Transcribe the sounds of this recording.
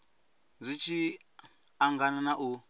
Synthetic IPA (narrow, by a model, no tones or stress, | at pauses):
zʷit͡ʃʰi | aŋɡananaʔu